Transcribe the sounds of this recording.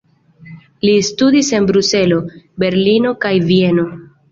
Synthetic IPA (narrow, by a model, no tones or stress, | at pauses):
listudise̞nbɾuse̞lo̞be̞ɾlino̞kajvie̞no̞